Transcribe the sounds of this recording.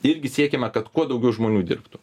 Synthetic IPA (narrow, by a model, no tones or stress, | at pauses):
ɪɾʲɡʲɪsʲiɛkʲɛmʲɛkɐt̪kuɔd̪ɒʊɡʲɛʊʒmoːnʲuːd̪ʲɪ̰ɾpt̪ʊ